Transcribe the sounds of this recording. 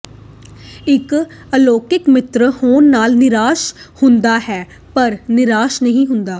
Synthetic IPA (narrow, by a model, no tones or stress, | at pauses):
ɪk | əloːkɪkmɪt̪ɾhoːnːaːlnɪɾaːʃhʊnd̪aːɦɛː | pəɾnɪɾaːʃnəɦĩːɦʊnd̪aː